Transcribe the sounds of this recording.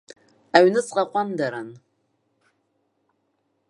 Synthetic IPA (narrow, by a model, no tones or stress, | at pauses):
aɥnɨt͡sʼqʼaqʷʼandaɾan